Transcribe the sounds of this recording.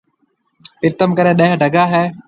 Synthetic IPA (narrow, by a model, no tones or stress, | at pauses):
pɪɾt̪əmkəɾẽːɗə̃ːɦɖʱəɡaːɦɛː